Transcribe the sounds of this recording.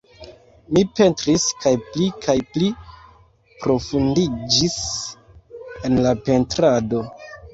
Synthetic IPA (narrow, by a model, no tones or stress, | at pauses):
mipe̞ntɾiskajplikʰajpli | pɾo̞fundid͡ʒis | e̞nlape̞ntɾado̞